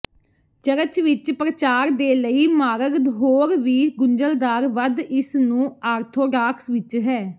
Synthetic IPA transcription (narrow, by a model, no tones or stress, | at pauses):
t͡ʃəɾət͡ʃʋɪt͡ʃpɾət͡ʃaːɾd̪eːləiːmaːɾəɡd̪ɦoːɾʋiːɡʊɲd͡ʒəld̪aːɾʋəd̪ɪsnũːaːɾt̪ʰoːɖaːksʋɪt͡ʃɦɛː